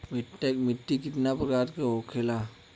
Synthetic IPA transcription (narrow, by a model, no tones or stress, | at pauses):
miʈːekmiʈːikit̪napɾkaɾt̪keɦokʰela